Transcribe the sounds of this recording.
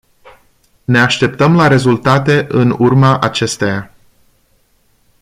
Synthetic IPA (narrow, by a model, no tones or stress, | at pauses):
ne̞aʃt̪e̞p̚t̪əmlaɾe̞zult̪at̪e̞ʔɨnurmaʔat͡ʃe̞st̪eja